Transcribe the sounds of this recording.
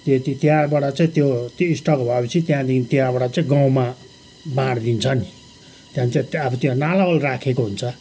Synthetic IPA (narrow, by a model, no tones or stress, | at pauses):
t̪et̪it̪jãbaɽat͡saĩt̪jot̪oisʈʌkobʱʌepʌt͡sʰit̪jãd̪ikʰint̪jãbaɽat͡saĩɡaw̃ma | bãɽd̪int͡sʰʌni | t̪jãnt͡saĩʌbʌt̪jãnalaʌlrakʰekoɦunt͡sʰʌ